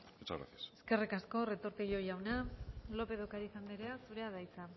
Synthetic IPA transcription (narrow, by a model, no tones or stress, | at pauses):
et͡ʃa̰ɾa̰θiaseske̞rikasko̞re̞t̪o̞ɾt̪eɣo̞jawnalo̞pe̞ðokaɾiːsamb̪eɾeasuɾe̞aðajt͡sa